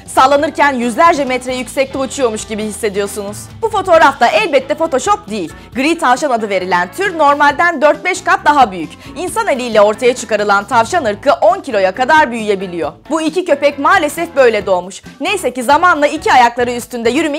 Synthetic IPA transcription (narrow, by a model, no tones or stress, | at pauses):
salˠːanɯɾcʰænjyzlʲæɾd͡ʒɛmɛt̪ɾɛjycsɛc̚lʲiut͡ʃʰujo̞ɾmuʃɟibihisːe̞d̪ijo̞sunuz̥bufo̞t̪ʰo̞ːɾafd̪aʔɛlʲbɛt̪ʰːɛfo̞t̪o̞ʃo̞p̚d̪ijilʲ | ɡɾit̪ʰavʃanad̪ɯve̞ɾilʲænt̪ʰyɾno̞ɾmalʲd̪ænd̪øɾt̪̚bɛʃkat̪̚d̪aɦabyjyc | insanelʲijlʲɛo̞ɾt̪ʰajat͡ʃʰɯkaɾɯlˠant̪ʰavʃanɯɾkʰɯʔo̞ncʰilʲojakad̪aɾbyjyje̞bilʲijo̞buicicø̞pɛcmaːlʲe̞sɛfbø̞jlʲɛd̪o̞ːmuʃnejsɛcizamanlˠaicʰiajaklˠaɾɯyst̪ynd̪ɛjyɾymi